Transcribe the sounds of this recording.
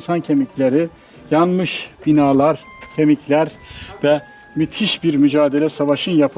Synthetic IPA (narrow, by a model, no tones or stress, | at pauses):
nsancʰe̞micʰlʲeɾi | janmɯʃb̥inaːlˠaɾ | cʰe̞micʰlʲæɾvɛ | myt̪ʰiʃbiɾmyd͡ʒaːd̪e̞lʲɛsavaʃɯnjapʰ